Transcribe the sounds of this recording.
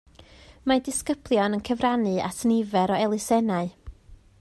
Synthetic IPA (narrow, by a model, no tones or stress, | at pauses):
madɪskəb̥lˠjɔnənkʰəvranɨa̰tʰnɪvɛɾɔɛlˠɨsɛnaɨ